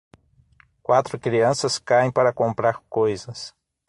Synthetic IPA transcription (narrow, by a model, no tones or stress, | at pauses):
kwat̪ɾʊkɾiɐ̃sɐskaẽpaɾɐkõmpɾaɾkojzɐs